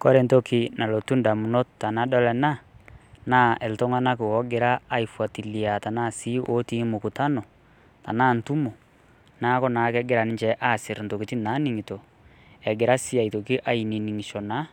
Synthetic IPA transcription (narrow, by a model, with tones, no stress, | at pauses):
kɔ˦ɾe˨nto˦kʰi˦na˨lo˨tu˦nda˨mu˨no˦ta˨na˦dɔ˦lɛ˨na˦na˦ɛ˨lto˦ŋa˦na˦ke˨wɔ˨˦ɡe˨ɾaː˦i˨fwa˨ti˨li˨a˨ta˨na˦si˦ʔo˦ti˦mo˨ku˨ta˦nɔ˨ | ta̰˨na˦n̩tu˦mo˨ | na˦kɔ˦na˨kɛ˦ɡe˦ɾa˨ni˦ɲt͡ʃɛ˦ʔa˦si˨ɾn̩to˨ki˨ti˦na˨˦ni˦ŋi˨to˨ | ɛ˨ɡe˨ɾa˦si˦a˨i˨to˨ki˦ʔa˦i˨ni˨ni˨ŋi˨ʃɔ˨na˨˦